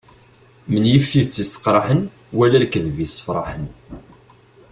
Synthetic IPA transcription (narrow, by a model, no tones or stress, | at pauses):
mənjifːiðt͡sːisə̥qɾˤɑħən | wælælkəðvisə̥fɾˤɑ̰ħən